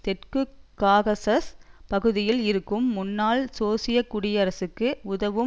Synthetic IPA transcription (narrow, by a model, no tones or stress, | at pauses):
t̪ɛʈkɯkːaːɣɐsɐspɐɣɯðɪjɪlɪɾɯkːɯmːʊnːaːlsoːsɪjɐkːuːɽɪjɐːɾɐsɯkːɯʊðɐʋɯ